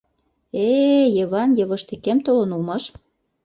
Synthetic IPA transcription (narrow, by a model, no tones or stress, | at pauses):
ejɤ̆βɑnjɤ̆βɤ̆ʃt̪ekemt̪olɤ̆nulmɑʃ